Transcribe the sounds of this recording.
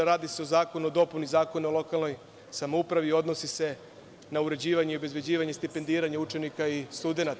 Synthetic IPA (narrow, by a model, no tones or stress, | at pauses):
ɾaːd̪ise̞o̞zaːko̞nuod̪o̞punizaːko̞niolˠo̞kalˠnoj | samoupɾaʋio̞d̪no̞sise̞ | nauɾe̞d͡ʑiːʋaɲeio̞be̞zbe̞d͡ʑiːʋaɲest̪ipe̞nd̪iːɾaɲaut͡ʃe̞nikaist̪ud̪e̞nat̪